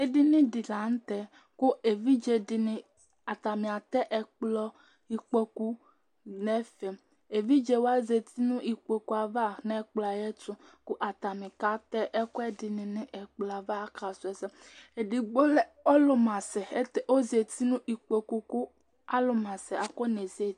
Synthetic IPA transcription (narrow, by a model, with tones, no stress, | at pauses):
e˦dɪ˦nɪ̃˦dɪ˨la˨n̩˦t̪ɛ˨ | kʊ˦e˨vi˦d͡ʒe˨dɪ˨nɪ̃˨ | a˨t̪a˨mɪ̃˨a˨t̪ɛ˦ʔɛ˨k͡plɔ˦ | i˨k͡po˦ku˦ | nɛ˦fɛ˨m | e˨vi˦d͡ʒe˨wa˦ze˨t̪i˦nʊ̃˦ʔi˨k͡po˨ku˦a˨va˦nɛ˦k͡pla˨jɛ˦tʊ˦kʊ˦ʔa˨t̪a˨mɪ̃˨ka˦t̪ɛ˦ʔɛ˦kʊ˦ɛ˦dɪ˨nɪ̃˨nɪ̃˦ʔɛ˨k͡pla˨va˦ka˨sʊ˨˦ɛ˨sɛ˦ | e˨dɪ˨ɡ͡bo˦lɛ˦ɔ˦lʊ˨mã˨sɛ˨e˦t̪e˨ʔo˦ze˨t̪i˦nũ˦ʔi˨k͡po˨ku˦ku˦ | a˦lʊ˨mã˨sɛ˨a˨ko˦ne˨ze˦